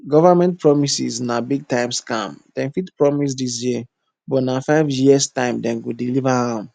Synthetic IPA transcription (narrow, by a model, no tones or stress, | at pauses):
ɡɔvamɛ̃nt̚pʰɹɔmisḭsnabiɡ̚tãɪ̃mskã̰md̥ɛ̃nfitpɹɔmis̬dis̬jiə | bɔnafaɪvjistãɪ̃mdɛ̃nɡudilivahãm